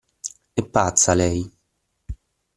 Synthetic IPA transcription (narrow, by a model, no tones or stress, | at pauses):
epːat̪salɛj